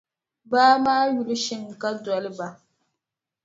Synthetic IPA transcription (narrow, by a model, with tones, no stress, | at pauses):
baː˦maː˦ju˨lʃɪ˦ŋ˨ka˦dɔ˨lba˨